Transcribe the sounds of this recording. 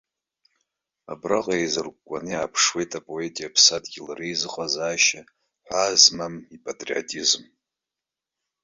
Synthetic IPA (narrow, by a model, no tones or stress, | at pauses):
a̰braqʼaejzɨrkʷʼkʷʼaniapʰʂwe̞jtʰʼapʼo̞etʼijapʰsadɡʲilarejzɨqʼazaːʃa | ħʷazmamipʼatʼrio̰tʼizm